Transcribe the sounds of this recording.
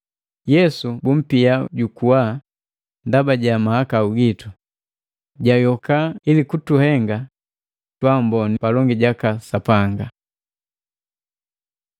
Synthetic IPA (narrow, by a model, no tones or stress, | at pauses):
jɛsubum̩piaɟukuwa | ndabaɟamahakauɡitu | ɟajɔkailikutuhɛŋɡa | twambɔnipalɔŋɡiɟakasapaŋɡa